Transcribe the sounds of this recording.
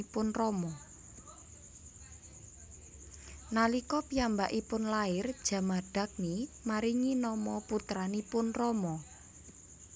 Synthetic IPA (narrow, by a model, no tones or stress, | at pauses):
pʊnrɔmɔ | nalikɔpiambaʔipʊnlaɪrd̥ʒ̥a̤maɖ̥a̤k̚nimaɾiŋinɔmɔput̪ɾanipʊnrɔmɔ